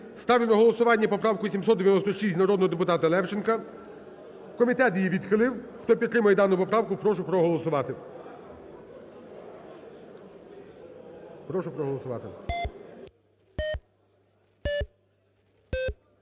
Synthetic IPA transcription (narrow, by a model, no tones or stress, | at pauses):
st̪ɑwlʲɪnɔɦɔlˠɔsʊʋɑnʲːɐpɔpɾɑwkʊʋisʲimsɔt̪d̪eʋjɐnɔst̪ɔʃisʲt̪ʲnɐɾɔd̪nɔɦɔd̪epʊt̪ɑt̪ɐlˠɛwt͡ʃenkɐ | kɔmʲit̪ɛt̪jʲijiʋʲid̪xɪlˠɪwxt̪ɔpʲid̪t̪ːɾɪmɐjɛd̪ɑnʊpɔpɾɑwkʊpɾɔʃʊpɾɔɦɔlˠɔsʊʋɑt̪ɪ | pɾɔʃʊpɾɔɦɔlˠɔsʊʋɑ̰t̪ɪ̰